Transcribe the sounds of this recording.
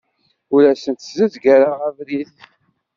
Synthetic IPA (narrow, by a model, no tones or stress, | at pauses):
ʊɾæsənt̪zəzɡæɾaʁævɾiθ